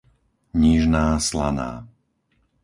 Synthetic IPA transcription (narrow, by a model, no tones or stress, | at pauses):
ɲiʒnaːsla̰na̰ː